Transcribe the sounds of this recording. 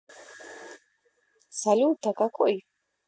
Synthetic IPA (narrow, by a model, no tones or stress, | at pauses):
saluːt̪akakʰoʔj